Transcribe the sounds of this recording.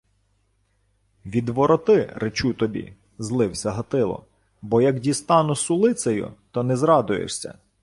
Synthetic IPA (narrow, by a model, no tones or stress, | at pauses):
ʋʲid̪ʋɔɾɔt̪ɪɾet͡ʃut̪ɔbʲḭ | zlˠɪwsʲɐɦɐt̪ɪlˠɔ̰ | bɔjɐkdʲist̪ɑnʊsʊlˠɪt̪sɐjʊ̰t̪ɔnɛzɾɑd̪ʊjḛʂsʲɐ̰